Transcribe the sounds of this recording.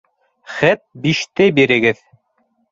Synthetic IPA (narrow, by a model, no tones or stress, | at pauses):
χæt̪̚biʃt̪ɘbiɾɘ̆ɡɘð